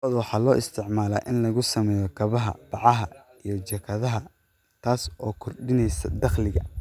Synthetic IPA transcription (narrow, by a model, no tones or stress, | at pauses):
ɐðwɑħɑːlɔːʔɪst̪ʰɪʕmaːla̰ːʔɪnlɐɣʊsɐmɛːjɔkʰɐβɐɦɐ̰b̥ɑʕɑɦɐ | ijɞt͡ʃɛkʰɐðɐɦɐ | t̪ʰaːsɔːkʰɔrɖɪnɛjsɐ̰d̪ɐχlɪɣɐ